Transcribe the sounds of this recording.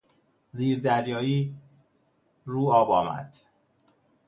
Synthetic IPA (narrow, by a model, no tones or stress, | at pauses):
ziːɾd̪æɾjɒːiː | ɾuːɒːbɒ̰ːmæ̰d̪̥